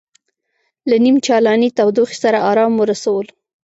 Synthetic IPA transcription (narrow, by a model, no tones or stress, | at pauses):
lanimt͡ʃɑlɑnit̪awd̪uxsaɾaɑɾɑmoɾasawəl